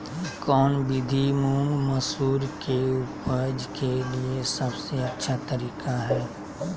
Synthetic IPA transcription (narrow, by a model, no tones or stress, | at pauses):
kɔːnbɪd̪ʱimuŋmɐsuːɾkeʊpəɾd͡ʒkeliesɐbseɐtːʃʰat̪əɾiːkaɦɛː